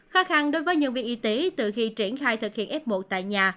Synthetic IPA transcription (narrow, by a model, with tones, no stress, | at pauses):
xaː˨˦˥xa˧nɗo˨˦jvəː˨˦jɲɨ̰˧˨vḭ˨ək̚ʔi˨˦t̪e˨˦t̪ɨ̰˧˨xi˧t͡ɕi˧˩ənxaː˧jt̪ʰɨ˨˩k̚hḭ˧˨ənʔɛ˦˥p̚mo˨˩t̚t̪a̰ː˧˨jɲaː˨˩